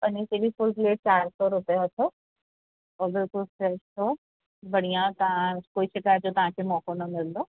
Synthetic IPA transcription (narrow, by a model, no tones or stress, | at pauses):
pɐniselifʊlzleːʈ̚t͡ɕaːɾsɔɾʊpijaɐt̪ʰo | ɔːɾbɪlkʊlfɾɛʃt̪ʰo | bɐɽ̤ijãt̪ɐɦãkoːiʃɪkaːd͡ʑot̪ɐʋ̤ãkʰemɔːkonɐmɪld̪oː